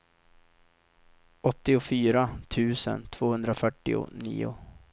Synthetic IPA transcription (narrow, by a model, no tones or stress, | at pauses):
ɔt̪ːɪʊfyːɾat̪ʰʉ̟ːsə̰nt̪ʰv̥oːhɵnd̪ɾafœʈːɪʊ̰nḭːʊ